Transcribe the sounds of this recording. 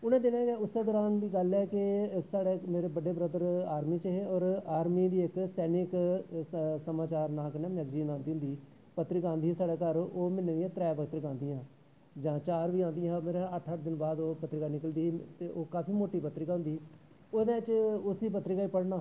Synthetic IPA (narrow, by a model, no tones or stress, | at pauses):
ʊnẽːd̪ɪnãːɡeːʊsɛːd̪ɔːɾaːnd̪iːɡəlɛːkɪsaːɽeːmeːɾeːbəɖeːbɾəd̪əɾaːɾmiːt͡ʃəɦeɔːɾaːɾmiːd̪iːɪksɛːnɪk | səmaːt͡ʃaːɾnãːkənɛːməɡd͡ʒiːnãːnd̪iːɦʊ̃nd̪iː | pət̪ːɾɪkãːnd̪iːɛ̃ːsaːɽeːkəɾoːmɪnːẽːd̪iɛ̃ːt̪ɾɛːpəkt̪ɾɪkãːnd̪iːãː | d͡ʒãːt͡ʃaːɾʋiːãːnd̪ijɦãːmeːɾãəʈʰəʈ̚ʰd̪ɪnbaːd̪oːpət̪ːɾɪkaːnɪkəld̪iːt̪eːʔoːkaːpʰiːmoːʈiːpət̪ɾɪkaːɦʊ̃nd̪iː | oːd̪eːt͡ʃʊsiːpət̪ːɾɪkaːiːpəɽnaː